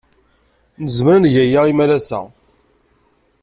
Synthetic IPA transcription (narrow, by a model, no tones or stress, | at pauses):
nəzməɾənʝæjaʁimælæsæ̰